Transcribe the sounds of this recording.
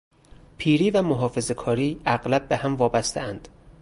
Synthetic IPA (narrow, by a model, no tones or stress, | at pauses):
pʰiːɾiːvæmoɦɒːfe̞zekʰɒːɾiːæɣlæb̚ːehæmvɒːbæst̪eænd̪̥